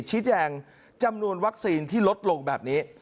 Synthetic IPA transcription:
t͡ɕʰiː˦˥t͡ɕɛː˧ŋ | t͡ɕa˧mnu˧ənwa˦˥k̚siː˧nt̪ʰiː˥˩lo˦˥t̪̚lo˧ŋbɛ̰ː˨˩p̚niː˦˥

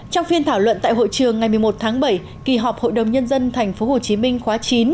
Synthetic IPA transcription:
t͡ɕɔ˧wŋ͡mfi˧ənt̪ʰaː˧˩wlwə̰˧˨nt̪a̰ː˧˨jɦo̰˧˨jt͡ɕɨ˨˩əŋːa˨˩jmɨ˨˩əjmo˨˩t̚t̪ʰaː˨˦ŋɓə˧˩j | ki˨˩ɦɔ˨˩p̚ho̰˧˨jɗə˨˩wŋ͡mɲə˧nzə˧nt̪ʰa˨˩jŋ̟fo˨˦ɦo˨˩t͡ɕi˨˦mï˧ŋ̟xwaː˨˦t͡ɕi˨˦n

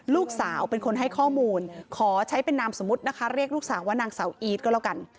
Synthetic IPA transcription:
luː˥˩k̚saː˩˦wpe˧nkʰo˧nɦa˥˩jkʰɔː˥˩muː˧nkʰɔː˩˦t͡ɕʰa˦˥jpe˧nːaː˧mso˩˦mːu˦˥t̪̚na˦˥kʰa˦˥ɾi˥˩ək̚luː˥˩k̚saː˩˦waː˥˩naː˧ŋsaː˩˦wʔiː˦˥t̪̚kɔː˥˩laː˧˥˩ka˧n

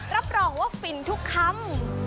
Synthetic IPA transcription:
ɾa˦˥p̚ɾɔː˧ŋwaː˥˩fi˧nt̪ʰu˦˥kʰːa˥˩m

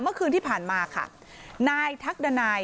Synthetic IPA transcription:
mɯ˥˩əkʰɯː˧nt̪ʰiː˥˩pʰaː˨˩nmaː˧kʰa̰˥˩ | naː˧jt̪ʰa˦˥k̚da˧naː˧j

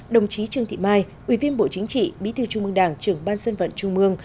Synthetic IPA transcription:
ɗə˨˩wŋ͡mt͡ɕi˨˦t͡ɕɨ˧əŋt̪ʰḭ˧˨maː˧j | ʔwi˧˩vi˧ənɓo̰˧˨t͡ɕï˨˦ŋ̟t͡ɕḭ˧˨ɓḭ˧˥t̪ʰɨ˧˩t͡ɕʊ˧ŋ͡mmɨ˧əŋɗaː˨˩ŋt͡ɕɨ˨˩əŋɓaː˧nsə˧nvə̰˧˨nt͡ɕʊ˧ŋ͡mmɨ˧əŋ

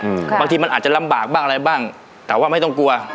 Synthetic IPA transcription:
ʔɯː˩˧baː˧ŋt̪ʰiː˧ma˧nʔaː˨˩t͡ɕa˨˩la˧˦mbaː˨˩k̚baː˥˩ŋʔɾa˧jbaː˥˩ŋ | t̪ɛː˨˩waː˥˩ma˥˩jt̪ɔ˥˩ŋku˧ɐ

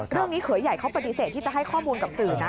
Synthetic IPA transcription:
ɾɯ˥˩əŋniː˦˥kʰɯ˨˩˦ja˨˩jkʰa˦˥wpa˧t̪i˧˩seː˨˩t̪ʰːiː˥˩t͡ɕa˨˩ɦa˥˩jkʰɔː˥˩muː˧nka˨˩p̚sɯː˨˩na˦˥

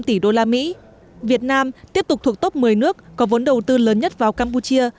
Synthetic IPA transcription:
mt̪i˧˩ɗo˧laː˧mḭ˧˥ | vi˨˩ət̚naː˧mt̪i˦˥əp̚t̪ʊ˨˩k͡p̚t̪ʰu˨˩k̚t̪o˦˥p̚mɨ˨˩əjnɨ˦˥ək̚ːɔ˨˦və˨˦nɗə˨˩wt̪ɨ˧ləː˨˦nɲə˦˥t̚vaː˨˩wkaː˧mp̬u˧t͡ɕi˧ə

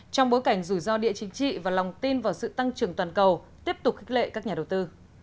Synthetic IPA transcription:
t͡ɕɔ˧wŋ͡mɓo˨˦jka˧˩jŋ̟zu˧˩jzɔ˧ɗḭ˧˨ət͡ɕï˨˦ŋt͡ɕḭ˧˨vaː˨˩la˨˩wŋ͡mt̪i˧nvaː˨˩wsɨ̰˧˨t̪a˧ŋt͡ɕɨ˨˩əŋt̪waː˨˩nkə˨˩wt̪i˦˥əp̚t̪ʊ˨˩k͡p̚kʰxi˦˥k̚lḛ˧˨kaː˦˥k̚ɲaː˨˩ɗə˨˩wt̪ɨ˧

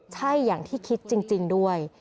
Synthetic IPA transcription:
t͡ɕʰa˥˩jːaː˨˩ŋt̪ʰiː˥˩kʰi˦˥t̪̚t͡ɕi˧ŋt͡ɕi˧ŋdu˥˩əj

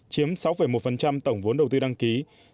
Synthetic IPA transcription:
t͡ɕi˨˦əmsa˨˦wfə˧˩jmo˨˩t̚fə˨˩nt͡ɕa˧mt̪ə˧˩wŋ͡mvo˨˦nɗə˨˩wt̪ɨː˧ɗa˧ŋki˨˦

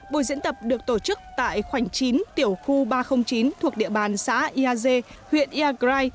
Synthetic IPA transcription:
ɓo̰˧˩˨jzɨ̰˧˥ənt̪ə˨˩p̚ɗɨ˨˩ək̚t̪o˧˩t͡ɕɨ˦˥k̚t̪a̰ː˧˨jxwa˧˩jŋt͡ɕi˨˦nt̪i˧˩əwxu˧ɓaː˧xə˧wŋ͡mt͡ɕi˨˦nt̪ʰu˨˩ək̚ɗḭ˧˨əɓaː˨˩nsa̰ː˧˥ʔi˧ʔaː˧ze˧ | hwḭ˧˨ənʔi˧aː˧kzaː˧j

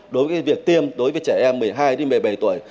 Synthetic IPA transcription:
ɗo˨˦jvəː˨˦jvi˨˩ək̚t̪i˧əmɗo˨˦jvəː˨˦jt͡ɕɛː˧˩ʔɛ˧mːɨ˨˩əjɦaː˧jɗe˧mə˨˩jɓə˨˩jt̪u˧˩əj

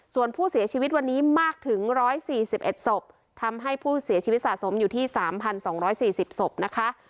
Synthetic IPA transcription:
su˨˩ənpʰuː˥˩si˩˦t͡ɕʰiː˧wi˦˥t̪̚wa˧nːiː˦˥maː˥˩k̚t̪ʰɯ˨˩˦ŋɾɔː˦˥jsiː˨˩si˨˩p̚ʔe˨˩t̪̚so˨˩p̚ | t̪ʰa˧mɦa˥˩jpʰuː˥˩si˨˩˦t͡ɕʰiː˧i˦˥t̪̚saː˨˩t̪so˩˦mjuː˨˩t̪ʰiː˥˩saː˩˦mpʰa˧nsɔː˩˦ŋɾɔː˦˥jsiː˨˩si˨˩p̚so˨˩p̚na˦˥kʰa˦˥ʔ

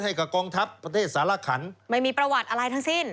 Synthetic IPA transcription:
ha˥˩jka˨˩p̚kɔː˧ŋt̪ʰa˦˥pːɾa˧t̪ʰeː˥˩t̪̚saː˩˦la˦˧˥kʰa˩˦nma˥˩jmiː˧pɾa˧wa˨˩t̪̚ʔa˧ɾa˧jt̪ʰa˦˥ŋsi˥˩n

